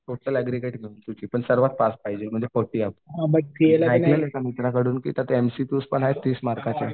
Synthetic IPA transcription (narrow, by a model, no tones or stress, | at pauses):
ʈoʈəlɛɡɾiɡeʈmeuːnt̪ut͡ɕiːpəɳsəɾʋat̪̚paspaɦid͡ʑem̤əɳd͡zekfoʈiːapuɦabət̪ielaajleekamit̪ɾakəɽuːnkḭːt̪jat̪eemsit̪uːspəɳɦaet̪iːsmaɾkat͡ɕe